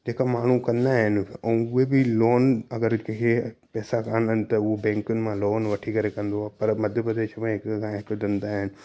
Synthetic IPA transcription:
d͡ʑeːkamaːɳ̤ukɐ̃nd̪aɦɪnɛ̃ʊɦebɪloːnɐɡəɾkkʰepɛːsakãːnənɪ̆t̪ɐʊɦobɛ̃ːŋkʊnɪ̆mãloːnʋɐʈʰikɐɾekɐ̃nd̪oaːpɐɾmɐd̪ʱjəpɾɐd̪eːʃmẽɦɪkkʰãɦɪkd̪ɐ̃nd̪aːɦɪnɪ̆

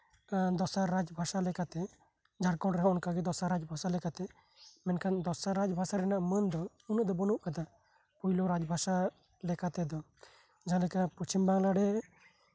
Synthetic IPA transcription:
d̪ɔsaɾɾad͡ʒbʱasalɛkat̪ɛ | d͡ʒaɽkɔɽɾɛɦaɔnkaɡɛd̪ɔsaɾad͡ʒbʱasalɛkat̪ɛ | mɛnkʰand̪ɔsaɾad͡ʒbʱasaɾɛnaʔmənd̪ɔ | unuʔd̪ɔbənuʔkad̪a | pujlɔɾad͡ʒbʱasa | lɛkat̪ɛd̪ɔ | d͡ʒalɛkaput͡ʃʰimbaŋlaɽɛ

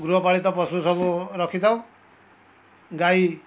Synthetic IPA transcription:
ɡɾuɦɔpaɭit̪ɔpɔsusɔbuɾɔkʰit̪ʰaw̃ | ɡai

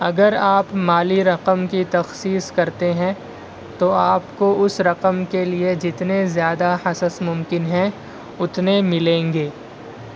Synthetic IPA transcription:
ɐɡəɾaːpmaːliɾɐqəmkit̪ɐxsiːskɐɾt̪eɦɛ̃ | t̪oaːpkoʊsɾɐqəmkelied͡ʒɪt̪nezjaːd̪ahɐsəsmʊ̃mkɪnɦɛ̃ | ʊt̪nemɪlẽːŋɡeː

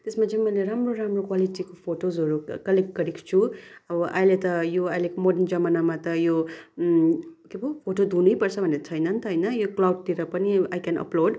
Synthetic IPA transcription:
t̪esmat͡sʰĩmʌjleɾamroɾamrokwaliʈikopʰoʈozɦʌɾukʌlek̚ʈ̚ɡʌɾikt͡sʰuʌbʌʔajlet̪ʌjoajlekomoɖʌnd͡zʌmanamat̪ʌjo | kebʱopʰoʈod̪ʱunujpʌrt͡sʰʌbʱʌnet͡sʰʌjnʌnt̪ʌɦʌjnʌjoklawɖ̚t̪iɾʌpʌniajkanʌ̰ploɖ

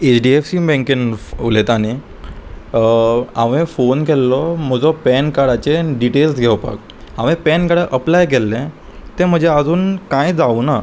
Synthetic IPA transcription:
et͡ɕɖiefsibɛ̃ŋkinulet̪ani | a̰ʋẽfonkelːɔm̤əd͡zɔpɛnkaɽat͡ɕeɖiʈelsɡʱeʋpa̰k | aʋẽpɛnkaɽaʔəplajk̬elːẽ | t̪ẽm̤əd͡ʑʱead͡zuːnkãjd͡zauna

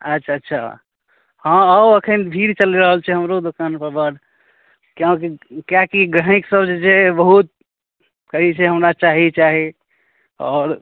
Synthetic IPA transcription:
ətːʃʰaːtːʃʰa̰ | hãəəkʰənbʱiɾt͡ʃəlɾəɦəlt͡ʃʰɛɦəmɾod̪okanpəɾbəɽ | kjãkikjakiɡə̃ɪksəbd͡ʒd͡ʒebəɦut̪̚ | kəɦit͡ʃʰɛɦəmɾat͡ʃaɦit͡ʃaɦi | ɔːɾ

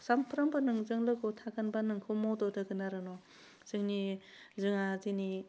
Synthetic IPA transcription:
sampʰɾambɯnɯŋzɯŋlɯɡotʰakanbanɯŋkʰɯmɔdɔdɯɡɯnaɾɯnɔ | sɯŋni | zɯŋazini

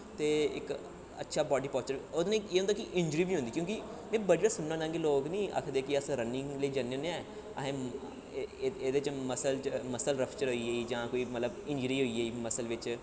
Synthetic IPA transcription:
t̪eːɪ̰k | ə̰tːʃʰaːbɔːɖiːpɔːst͡ʃəɾod̪nẽːeːɦond̪aːkɪʔɪ̃ɲd͡ʒɾiːbiːɦõnd̪iːkjõːkɪmɛ̃ːbəɽiːʋaːsʊnːãːnãːŋɡeːloːknĩːə̰kʰd̪eːkɪəsɾənɪ̃ŋləiːd͡ʒənːneãːɛ | əɦẽː | eːd̪et͡ʃməsəlt͡ʃməsəlɾəpʰt͡ʃəɾɦoːieːiːd͡ʒãːkoːiːmət̪ləbɪ̃ɲd͡ʒɾiːɦoːieːiːməsəlʋɪt͡ʃ

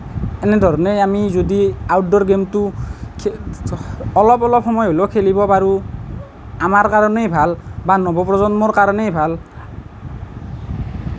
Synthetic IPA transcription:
ɛnɛdʱɔɹɔnejamizodiawt̚dɔɹɡemtukʰ | ɔlɔpɔlɔp̚xɔmɔjɦolokʰelibɔpaɹu | amaɹkaɹɔnejbʱalbanɔbɔpɹɔzɔnmɔɹkaɹɔnejbʱal

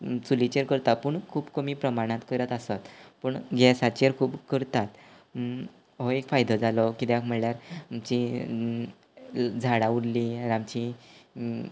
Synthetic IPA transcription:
t͡sulit͡ɕeɾkəɾt̪apəɳkʰuːbkəmiːpɾəmaɽ̃ãt̪kəɾət̪asat̪pəɳɡʱɛsat͡ɕeɾkʰuːbkəɾt̪at̪ | ɦoekfajd̪ʱəd͡zalɔkit̪akm̤əɽljaɾmt͡ɕi | d͡zʱaɽauɽliɾamt͡ɕi

